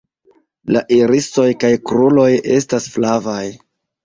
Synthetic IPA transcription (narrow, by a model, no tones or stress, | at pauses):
laʔiɾiso̞jkajkɾulo̞je̞̰stasflavaj